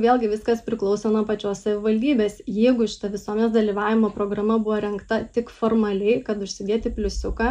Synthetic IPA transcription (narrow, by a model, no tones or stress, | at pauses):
ʋʲeːlˠɡʲɪʋʲɪskɐspʲɾʲɪklˠɒʊsoːnuɔpɐt͡ʃʲoːssɐʋʲɪʋɐlʲd̪ʲiːbʲeːsjɛɪɡʊʃʲɪ̥t̪ɐʋʲɪsuɔmʲɛnʲeːsd̪ɐlʲiːʋɑːʋʲɪmoːpɾoːɡɾɐmɐbʊʋoːɾʲɛŋkt̪ɐt̪ʲɪkfoːrmɐlʲɛɪkɐt̪ʊʃʲsʲɪd̪ʲeɛt̪ʲɪpʲlʲʊsʲʊkɑ